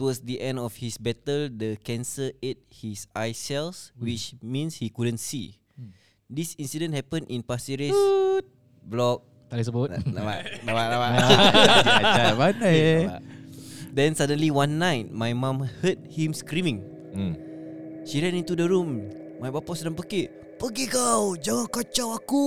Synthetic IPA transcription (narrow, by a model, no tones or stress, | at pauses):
twɔsdiʔɛ̃ndɔfhisbɛtəldəkɛ̃nsəet̚hisʔajsɛlswit͡ʃmĩnshikudə̃nsi | disĩnsidə̃nhɛpə̃nʔĩnpasiɹiəs | blɔk̚ | t̪alisəbutabaʔlabaʔlabaʔ | baaa | dɛ̃nsadə̃nliwãnːãjt̚majmãmhəd̚hĩmskɾimĩŋ | ʃiɾɛ̃nĩnt̪udəɹũm | majbapɔsdãmpəkiʔ | pəɡikawd͡ʒaŋãnkɔt͡ʃawaku